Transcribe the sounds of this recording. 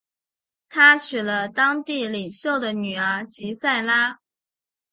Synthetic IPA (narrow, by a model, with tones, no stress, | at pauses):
t̪ʰa˥t͡ɕʰy˨˩lə˦t̪ɑ˥ŋt̪i˥˩li˨˩ŋɕjo˥˩ʊd̪ə˩ny˨˩ə˞˧˥t͡ɕi˧˥sa˥˩ɪla˥